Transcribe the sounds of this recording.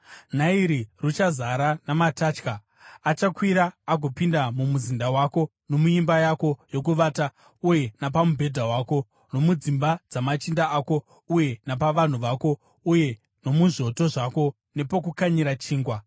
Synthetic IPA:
n̤aiɾirut͡ʃazaɾanamataːt͡ʃkaː | t͡ʃakwiɾaːɡʱopindamumuzindawako̞ | no̞muimbajako̞jo̞kuʋaːta | uje̞nap̬amubʱe̞dʱawaːko̞ | no̞mud͡zimbad͡zamat͡ʃindaʔaːko̞ | uje̞nap̬aʋan̤uʋako̞ | uje̞ | no̞muʐo̞to̞ʐako̞ | ne̞pok̬ukaɲiɾat͡ʃiːŋɡwa

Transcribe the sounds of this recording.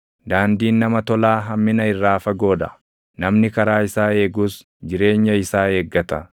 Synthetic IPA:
d̪aːnd̪iːnːɐmɐt̪ɔlaːɦɐmːɪnɐɪrːaːfɐɡo̞ːd̪ɐ̰ | nɐmnɪkɐɾaːɪsaːe̞ːɡuːs | d͡ʒɪɾe̞ːɲːɐɪsaːe̞ːɡːɐt̪ɐ

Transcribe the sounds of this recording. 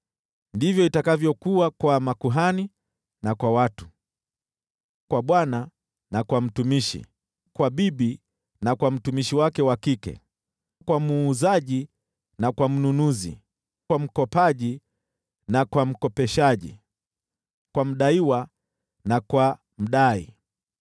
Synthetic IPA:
ndivjɔitakavjɔkuakwamakuɦani | nakwawatu̥ | kwaɓwana | nakwam̩tumiʃḭ | kwaɓiɓi | nakwam̩tumiʃiwakɛwakikɛ̰ | kwamuːzaʄi | nakwam̩nunuzḭ | kwam̩kɔpaʄi | nakwam̩kɔpɛʃaʄḭ | kwam̩ɗaiwa | nakwa | m̩ɗaḭ

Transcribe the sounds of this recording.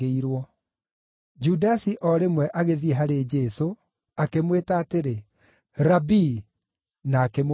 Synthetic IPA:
eiɾwɔ | d͡ʒudasiʔɔɾemwɛʔaɣeðiɛɦaɾed͡ʒɛso | akemwetaːteɾe | ɾabi | naːkem

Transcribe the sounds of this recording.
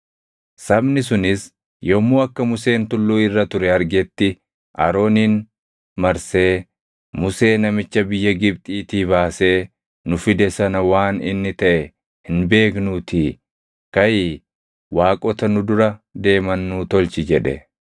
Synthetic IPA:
sɐbnɪsʊnɪs | jomːuːɐkːɐmʊse̞ːnt̪ʊlːuːɪrːɐt̪ʊɾɛɐɾɡɛt̪ːɪ | ʔɐ̰ɾo̞ːniːn | mɐɾse̞ː | mʊse̞ːnɐmɪt͡ʃːɐbɪjːɐɡɪbt̪ʼiːt̪iːbaːse̞ː | nʊfɪd̪ɛsɐnɐwaːnɪ̰nːɪt̪ɐʔɛ | hɪnbe̞ːknuːt̪iː | kɐjiː | waːkʼɔt̪ɐnʊd̪ʊɾɐd̪e̞ːmɐnːuːt̪ɔlt͡ʃɪd͡ʒɛᶑɛ̰

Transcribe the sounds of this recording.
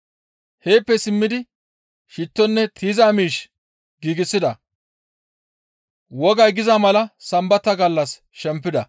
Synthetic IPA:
he̞ːpːɛsɪmːɪd̪ɪ | ʃɪt̪ːɔnːɛt̪ʰiːzaːmiːʃ | ɡiːɡɪsːɪd̪ɐ | wɔɡɐjɡɪzamɐlɐsɐmbɐt̪ːɐɡɐlːɐs | ʃɛmpːɪd̪ɐ

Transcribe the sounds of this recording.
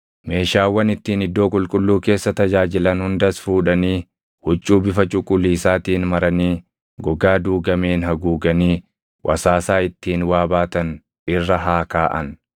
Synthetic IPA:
me̞ːʃaːwːɐnɪt̪ːiːnɪd̪ːo̞ːkʼʊlkʼʊlːuːke̞ːsːɐt̪ɐd͡ʒaːd͡ʒɪlɐnhʊnd̪ɐsfuːᶑɐniː | hʊt͡ʃʼːuːbɪfɐt͡ʃʼʊkʼʊlːiːsaːt̪iːnmɐɾɐniː | ɡɔɡaːd̪uːɡɐmeːnhɐɡuːɡɐniː | wʔɐ̰saːsaːɪt̪ːiːnwaːbaːt̪ɐn | ʔɪrːɐɦaːkaːʔɐn

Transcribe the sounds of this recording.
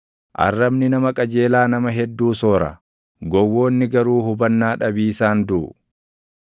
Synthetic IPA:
ʔɐ̰rːɐbnɪnɐmɐkʼɐd͡ʒe̞ːlaːnɐmɐɦɛd̪ːuːso̞ːɾɐ̰ | ɡɔwːo̞ːnːɪɡɐɾuːɦʊbɐnːaːᶑɐbiːsaːnd̪uː

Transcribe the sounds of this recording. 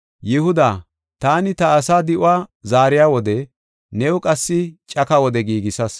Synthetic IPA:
jɪhʊd̪aː | t̪aːnɪt̪ɐːsaːd̪ɪʔʊaːzaːɾɪjaːwɔd̪ɛ | nɛʊkʼɐsːɪt͡ʃʼɐkɐwɔd̪ɛɡiːɡɪsɐs

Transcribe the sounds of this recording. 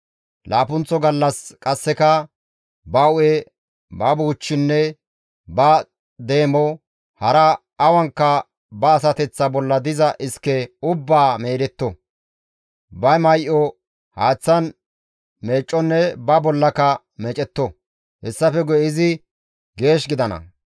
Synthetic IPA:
lʔaːpʊnt͡sːɔɡɐlːɐskʼɐsːɛkɐ | bɐʊɛ | bɐbuːt͡ʃːɪnːɛ | bɐ | d̪e̞ːmɔ | hɐɾɐː | wɐŋkːɐ | bɐːs̬ɐt̪ɛt͡sːɐbɔlːɐd̪ɪzɐʔɪskːɛʊbːaːmeːɾɛt̪ːɔ | bɐmɐjʔɔ | haːt͡sːɐn | me̞ːt͡ʃʼːɔnːɛbɐbɔlːɐkɐ | mɛt͡ʃʼɛt̪ːɔ | hɛsːɐfɛɡɔjɪzɪ | ɡe̞ːʃɡɪd̪ɐnɐ̰

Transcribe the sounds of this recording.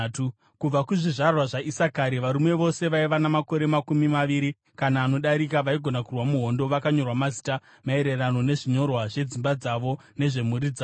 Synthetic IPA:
tu | kub͡vakuʐiʐarwaʐaʔisakaɾiʋaɾumwe̞ʋo̞se̞ʋaiʋanamako̞ɾe̞makumimaʋiɾi | kanaːno̞ɗaɾikaʋaiɡʱo̞nakurwamuɦo̞ndo̞ʋakaɲo̞rwamazi̥ta | mae̞ɾe̞rano̞ne̞ʐiɲo̞rwaʐe̞d͡zimbad͡zaʋo̞ | ne̞ʐe̞muɾid͡zaː

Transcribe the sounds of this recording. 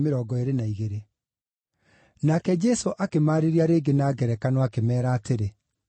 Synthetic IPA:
meɾɔːɡɔeɾenaiɣeɾe | nakɛd͡ʒɛsoʔakemaːɾeɾiaɾeːɡenaːɡɛɾɛkanɔakemɛːɾaːteɾe

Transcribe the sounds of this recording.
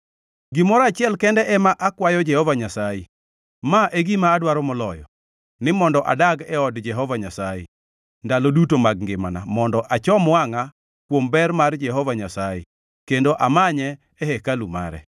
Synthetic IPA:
ɡɪmɔɾat͡ʃɪɛlkɛndɛʔɛmaʔakwajɔd͡ʒɛhɔvaɲasaje | maʔeɡimaːdwaɾɔmɔlɔjɔ̰ | nɪmɔndɔʔa̰daɡɛɔdd͡ʒɛɦɔvaɲasajɛ̰ | ndalodutomaɡ̚ŋɡɪmanamɔndɔʔat͡ʃɔmwaŋa | kwombɛrmard͡ʒɛɦɔvaɲasajɛ̰ | kendoʔamaɲɛː | ɦekaluma̰ɾɛ̰

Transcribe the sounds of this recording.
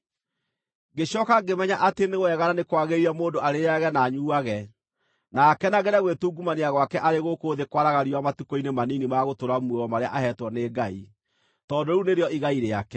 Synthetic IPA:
ɡeɕɔkaɡemɛɲaʔateneɣwɛɣaɾanekwaɣeiamoːndoaɾeɾaɣɛnaɲuːaɣɛ | nakɛnaɣɛɾaɣwetuːɡumaneaɣwakɛʔaɾeɣokoːðekwaɾaɣaɾiwamatukoinemaninimaɣotoɾamwewɔmaɾea̰ʔahɛtwɔneːɡai | tɔdoɾuneɾeɔiɣaiɾeakɛ

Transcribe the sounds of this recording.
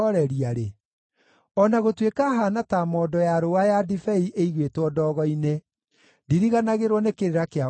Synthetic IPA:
ɔɾɛɾiaɾe | ɔnaɣotwekaɦanatamɔːdɔjaɾowajadifɛiʔeiɣwetwɔdɔːɣɔine | ndiɾiɣanaɣeɾwɔnekeɾeɾakea

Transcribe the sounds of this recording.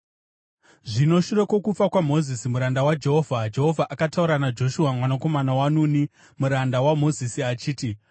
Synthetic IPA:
ʐino̞ʃuɾe̞ko̞kup͡fakwamo̞zisimuɾandawad͡ʒe̞ɦovʱad͡ʒe̞ɦo̞vʱaʔakatauɾanad͡ʒo̞ʃuwamwanako̞manawanuːni | muɾandawamo̞zisiat͡ʃiːti

